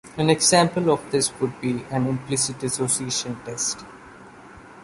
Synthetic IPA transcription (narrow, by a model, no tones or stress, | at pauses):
æ̃nɛɡzãːmpəlɔʋd̪ɪsʋʊɖ̚biːæ̃nɪ̃mplɪsɪʈɛsoːsieːʃə̃nʈɛsʈ